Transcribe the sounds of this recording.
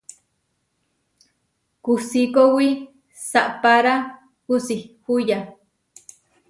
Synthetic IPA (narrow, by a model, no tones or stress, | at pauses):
kusikowi | saʔpaɾa | husihuja